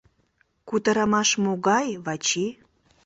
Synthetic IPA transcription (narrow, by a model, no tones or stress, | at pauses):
kut̪əɾɑmɑʃmoɣɑjβɑt͡ɕi